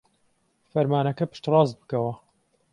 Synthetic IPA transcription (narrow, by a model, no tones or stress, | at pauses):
fɐɾmaːnɐkɐpɨ̥ʃt̪rˤɑːzt̪̚bɨ̥kɐwɐ